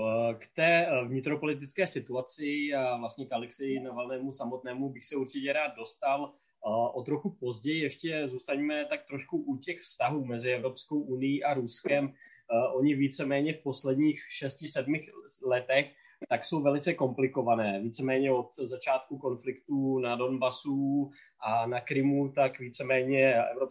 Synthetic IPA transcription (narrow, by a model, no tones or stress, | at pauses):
kt̪ɛːvɲɪt̪ɾopo̞lɪt̪̬ɪt͡skɛːsɪt̪uat͡sɪavlast̪ɲɛkalɪksɪjɪnavɛlnɛːmusamot̪̚nɛːmubɪxsɛuɾt͡ʃɪcɛɾaːd̪̚do̞st̪al | ʔot̪ɾo̞xupo̞zɟɛjɪjɛʃcɛzuːst̪aɲmɛt̪akt̪ɾoʃkuʔucɛxfst̪aɦuːmɛzɪɛvɾo̞psko̞wʔunɪjiːʔaɾuskɛm | ʔo̞ɲɪviːt͡sɛmɛːɲɛfpo̞slɛd̪ɲiːxʃɛscɪsɛdmɪxlɛt̪ɛx | t̪akso̞wvɛlɪt͡sɛko̞mplɪko̞vanɛːviːt͡sɛmɛːɲɛo̞t̪zat͡ʃaːt̪kuko̞nflɪkt̪unado̞nbasu | ʔanakɾɪmut̪akviːt͡sɛmɛːɲɛʔɛ̰vɾo